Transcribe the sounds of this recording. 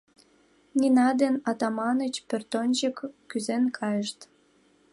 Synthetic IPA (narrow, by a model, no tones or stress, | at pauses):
ninɑd̪enɑt̪ɑmɑnət͡ɕpørt̪onʲt͡ɕəkːyzenkʰɑjəʃt̪